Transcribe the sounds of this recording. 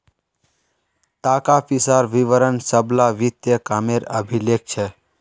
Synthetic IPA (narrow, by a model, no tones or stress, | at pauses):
t̪aːkapisaːɾʋiʋəɾənsəblaʋit̪jəkameɾəbʱilek̚t͡ʃʰe